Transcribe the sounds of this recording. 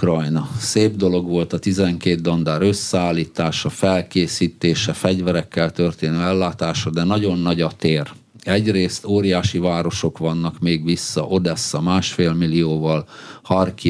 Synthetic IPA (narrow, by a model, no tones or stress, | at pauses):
krɒjnɒseːbd̪o̞lo̞ɡʋo̞lt̪ɒt̪izɛŋkeːt̪̚d̪ond̪aːɾø̞sːɛaːlːiːt̪aːʃɒfɛlkeːsiːt̪eːʃɛfɛɟvɛɾɛkːɛlt̪ørt̪eːnøːɛlːaːt̪aːʃɒd̪ɛnɒɟo̞nːɒɟɒt̪eːr | ɛɟreːst̪oːɾijaːʃivaːɾo̞ʃo̞kʋɒnːɒkmeːɡʋisːɒʔo̞d̪ɛsːɒmaːʃfeːlmilioːvɒlhɒrki